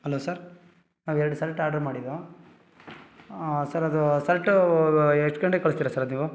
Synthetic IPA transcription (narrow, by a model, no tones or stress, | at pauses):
hɐloːsɐɾ | naːʋɛɾɐɖusɐlɐʈːaːɖɐɾmaːɽid̪u | sɐɾɐd̪usɐlɐʈː | eʂʈkɐɳɖekɐɭust̪iɾɐsɐɾɐd̪niːʋu